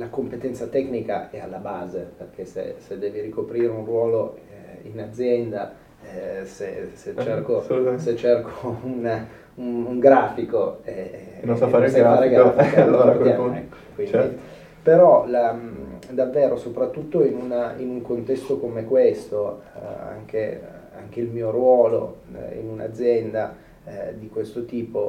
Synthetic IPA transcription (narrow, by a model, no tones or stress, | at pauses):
lakompet̪ɛnt̪sat̪ɛknika̰ɛalːabaːzeperk̟ʰesḛsed̪ːɛːviɾikopɾiːɾeunrwɔːlo | inad̪zːjɛnd̪a | seset͡ʃːerkoset͡ʃːerkoun | unuŋɡɾaːfikoeaaspaːɾekeafaload̪jamɛkːo̥kwind̪i | peɾɔlad̪avːeːɾosopɾat̪ːut̪ːoinuninuŋkont̪ɛst̪okomekwest̪oa̰ŋke | a̰ŋk̟eilmiːoɾwɔːlo̰ḭnuna̰d̪zːjɛnd̪a | d̪ikwest̪ot̪iːpo